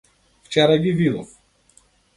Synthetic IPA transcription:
ft͡ʃɛɾaɡivid̪ɔ̰f

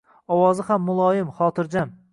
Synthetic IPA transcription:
ɒwɑːzɨχamːʊlˠɑːjɪmχɑːt̪ɨɾd͡ʒam

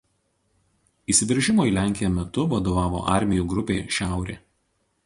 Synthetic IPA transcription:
iːsʲɪʋʲɪɾʲʒʲɪmoːiːˑlʲæˑŋʲkʲɪjomʲɛt̪ʊʋɐd̪oːʋɑːʋo̰ːʔɑɾʲmʲɪjuːɡɾʊpʲeːʃʲæˑʊɾʲḛː

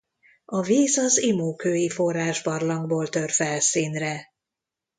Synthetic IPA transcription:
ɒviːzɒzimoːkøːjifo̞raːʒbɒrlɒŋɡboːlt̪ørfɛlsiːnrɛ

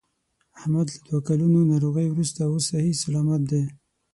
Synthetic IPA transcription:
ahmad̪lad̪wakalunonɑɾoɣəjwɾust̪awosahisalɑmat̪̚d̪e

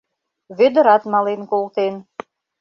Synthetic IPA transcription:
βød̪ə̆ɾɑt̪mɑlenkolt̪en

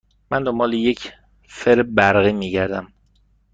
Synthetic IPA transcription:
mænd̪ombɒːlejecʰ | feɾbæɾɣiːmiːɟæɾd̪æm

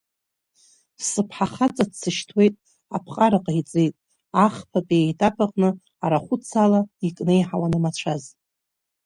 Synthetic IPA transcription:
sɨpʰħaχat͡sʼadt͡sʰɨʃtʰwe̞jtʼ | apʰqʼaɾaqʼajt͡sʼejtʼ | aχpʰapʼiejtʼapʰʼaqʼnɨ | aɾaχʷʊt͡sʰalaikʼnejħawanɨmat͡ɕʷʰaz

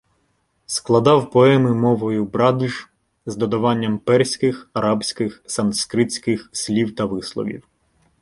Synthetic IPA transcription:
sklˠɐd̪ɑwpɔɛmɪmɔʋɔjʊbɾɑd̪uʒ | zd̪ɔd̪ɐʋɑnʲːɐmpɛrsʲkɪxɐɾɑbsʲkɪxsɐnskɾɪt͡sʲkɪxsʲlʲiwt̪ɐʋɪslˠɔ̰ʋʲḭw

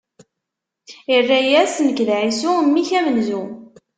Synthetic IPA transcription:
irːæjæsnəkːəlʕisumːiçæmənzu

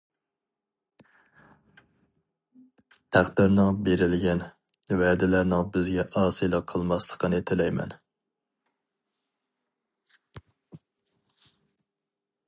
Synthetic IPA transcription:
t̪ʰæqd̪ɪɾnɨŋbeɾɪlɡʲɛn | væd̪ɪlæɾnɪŋbɪzɡʲɛʔɑːsɨlˠɑqʰəlˠmɑslˠə̥qʰənet̪ʰɪlɛjmɛ̰n

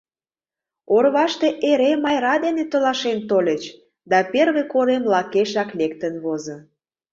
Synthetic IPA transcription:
orβɑʃt̪eʔeɾemɑjɾɑd̪enet̪ə̆lɑʃent̪olʲət͡ɕ | d̪ɑperβekoɾemlɑkeʃɑklek̚t̪ənβozə̆

